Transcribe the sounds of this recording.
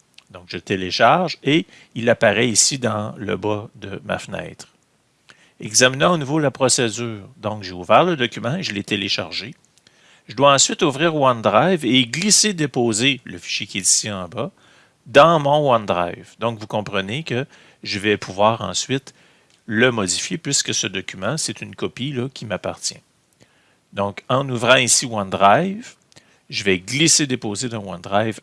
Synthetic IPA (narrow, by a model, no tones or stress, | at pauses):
d̪ɔ̃kʒət̪eleʃaʁʒe | ilapaʁɛisid̪ɑ̃lə̰bad̪əma̰fnɛ̰ːt̪χ | ɛɡzaminãonuvolapʁɔsed͡zyːʁd̪ɔ̃kʒeuvɛːʁləd̪ɔkʲymɑ̃eʒəlɛt̪eleʃaʁʒe | ʒəd̪waɑ̃sɥɪt̪ufʁiːʁwand̪ʁajveɡlised̪epoːzeləfi̥ʃjekʲjɛt̪i̥siɑ̃ba | d̪aɑ̃mɔ̃wãnd̪ʁa̰jvd̪ɔ̃kvukɔ̃pʁənekʲə | ʒəvɛpʰuvwaːʁɑ̰̃sɥɪt̪ | ləmɔd̪ifjepɥiskəsəd̪ɔkʲymãsɛt̪ynkɔpilʌkʲʰimapaʁt̪t͡sjɛ̰̃ | d̪ɔ̃kɑ̃nuvʁɑ̃isiwãnd̪ʁajv | ʒəvɛɡlised̪epoːzed̪ɑ̃wãnd̪ʁajv